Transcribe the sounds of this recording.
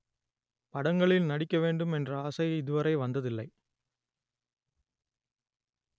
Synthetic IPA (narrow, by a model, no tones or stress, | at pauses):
pɐɽɐŋɡɐɭɪlnɐɽɪkːɐʋeːɳɖɯmɛndrɐaːsɐɪɪðɯʋɐɾɐɪʋɐnd̪ɐðɪlːɐɪ